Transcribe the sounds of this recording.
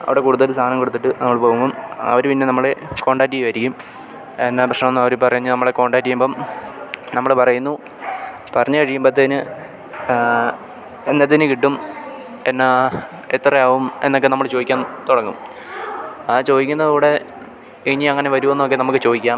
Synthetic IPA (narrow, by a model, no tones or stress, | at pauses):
ɐ̰ʋiɽe̞kuːɽuðɐlsʰaːnɐmkoɽut̪ːiʈːɨnɐmːɐɭpoːumumɐ̰ʋɐɾpinːe̞nɐmːɐɭeko̞ːɳɖaːkt̬ːijʋɐɾikʲːum | enːaprɐʂnɐmonːɨmɐʋɐɾupɐrɐjunːɨnɐmːɐɭeko̞ːɳɖaːʈːijumboːm | nɐmːɐɭpɐrɐjunːu | pɐrɐɲːɨkɐɻijːumbot̪ːeðinɨ | enːet̪ːinɨkiʈːum | enːa | et̪ːrɐjaːʋumenːo̞kːenɐmːɐɭt͡ɕo̞ːðikʲːaːnt̪oɽɐŋːum | at͡ɕo̞ːðikʲːunːɐðɽe̞ | iɲiɐŋːɐne̞ʋɐɾuʋenːuokːe̞nɐmukːɨt͡ɕo̞ːðikʲːaːm